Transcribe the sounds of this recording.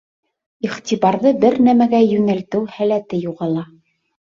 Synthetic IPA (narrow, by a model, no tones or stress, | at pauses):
iχt̪ʲiβɑɾðɤbɘɾnæmæɡæjɵ̆nælt̪ɘwhælæt̪ɘjuʁɑlˠɑ